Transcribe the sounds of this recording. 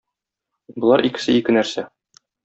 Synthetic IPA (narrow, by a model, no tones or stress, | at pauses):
bŏlˠɑɾʔikɘ̥̆sɘikɘnæɾsæ